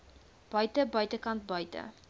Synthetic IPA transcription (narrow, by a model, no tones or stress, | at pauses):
b̥ɐjtəbɐjtəkɐnt̚bɐjtə̰